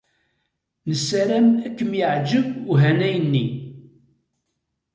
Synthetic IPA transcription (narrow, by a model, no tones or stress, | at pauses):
nəsːæɾæmækːəmjəʕd͡ʒəbuɦænæjənːi